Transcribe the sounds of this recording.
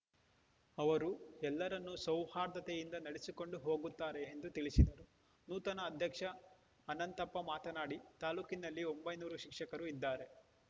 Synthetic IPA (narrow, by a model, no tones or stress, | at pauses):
ɐʋɐɾuɛlːɐɾɐnːusɐwhaːɾd̪ɐt̪ejind̪ɐnɐɽesiko̞ɳɖuɦoːɡut̪ːaːɾeːnd̪ut̪iɭisid̪ɐɾu | nuːt̪ɐnɐːd̪ʱjɐkʂɐː | nɐnt̪ɐpːɐmaːt̪ɐnaːɽit̪aːluːkinɐlːio̞mbɐjnuːɾuʃikʂɐkɐɾuid̪ːaːɾe̞